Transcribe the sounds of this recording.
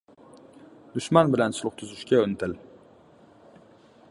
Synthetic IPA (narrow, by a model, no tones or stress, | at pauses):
d̪̥ʊʃmanbɪlansʊlˠʊχt̪ʰʊzɪʃkʲaɵnɪt̪ʰɪl